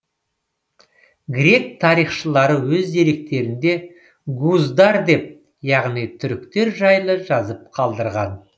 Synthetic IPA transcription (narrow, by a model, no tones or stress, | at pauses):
ɡɾʲe̞k̚t̪ʰɑɾijχʃəlˠɑɾəwɵzd̪e̞ɾe̞k̚t̪e̞ɾɪnd̪e̞ | ɡuzd̪ɑɾd̪e̞p̚ | jɑʁnijt̪ʰʏɾɪkt̪e̞ɾʒɑjlˠəʒɑzəp̚qʰɑlˠd̪əɾʁɑn